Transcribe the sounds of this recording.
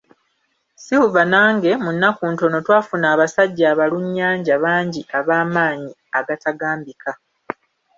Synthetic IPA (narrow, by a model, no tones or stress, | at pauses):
siwuvanaːŋɡe̞munːakuːnto̞no̞twaːfunaːβasaɟːaːβaluɲːaːɲɟaβaːɲɟiʔaβaːmaːɲi | aɡataɡaːmbikʰa